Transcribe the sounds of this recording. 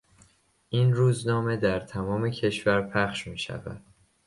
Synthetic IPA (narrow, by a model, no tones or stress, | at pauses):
ʔiːnruːznɒːme̞d̪æɾt̪ʰæmɒːme̞cʰe̞ʃvæɾpʰæχʃmiːʃæ̰væ̰d̪̥